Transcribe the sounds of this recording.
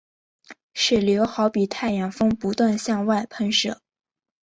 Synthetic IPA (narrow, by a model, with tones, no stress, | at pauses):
ʂɻ̩˥˩ljo˧˥ʊxɑ˧˥ʊpi˨˩t̪ʰa˥˩ɪjɑ˨˩ŋfɤ˥ŋpu˧˥t̪wa˥˧nɕjɑ˥˧ŋwa˥˩ɪpʰə˥nʂɤ˥˨˩